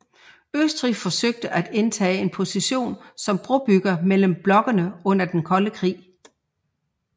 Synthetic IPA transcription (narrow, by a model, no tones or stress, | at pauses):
øsd̥ʁifɒ̽søɡ̥̚d̥əʔæd̥e̝nt͡sʰɛ̰ːe̝npʰo̝siɕo̝̰ːnsɒ̽mb̥ʁɔb̥yɡ̥ɐmel̰əm̩b̥lɒ̽ɡ̥ɐnəɔ̽n̰ɐd̥enkʰɒ̽ləkʰʁḭː